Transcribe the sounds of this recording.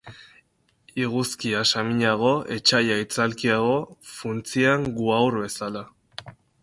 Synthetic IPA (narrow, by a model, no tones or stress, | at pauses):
iɣuskiasamiɲaɣ̞o̞ʔe̞t͡ʃajait͡salkiaɣ̞o̞funt͡siaŋɡuawɾβe̞sala